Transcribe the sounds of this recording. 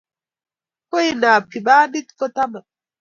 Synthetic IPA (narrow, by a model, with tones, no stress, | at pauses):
ko˦i˦na˨pʰi˨baː˦ni˦tkɔ˦ta˦ma˨